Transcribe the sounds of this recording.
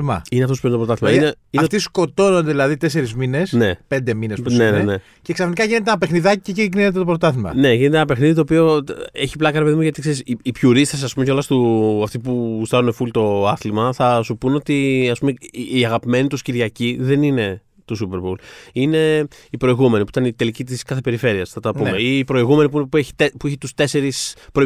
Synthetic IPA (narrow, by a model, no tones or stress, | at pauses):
mɐ̰ineɐft̪ospit̪opɾot̪ɐθimɐineineft̪isko̞t̪o̞nond̪eðilɐðit̪e̞se̞ɾizmine̞sne̞pe̞nd̪eminespsnenene | ceksɐfnikɐʝine̞t̪enɐpe̞xniðɐciceciɣninet̪et̪o̞pɾoot̪ɐθimɐ̰ne̞ʝinet̪enɐpe̞xniðit̪opio̞eçiplɐkɐɾepe̞ðimuʝɐt̪ikseɾisiipçuɾist̪ɐsɐspumeceolɐst̪uɐft̪ipust̪ɐnune̞fult̪o̞ɐθlimɐθɐsupuno̞t̪iɐspumeːɐɣɐpime̞nit̪usciɾʝɐciðe̞nine̞ | t̪osupe̞ɾboline̞ | ipɾo̞iɣume̞nipuit̪ɐnit̪e̞licit̪̬iskɐθe̞pe̞ɾife̞ɾiɐsθɐt̪ɐppumeiːpɾo̞iɣume̞nip̬uinpueçi̥t̪epueçit̪ust̪e̞se̞ɾispɾo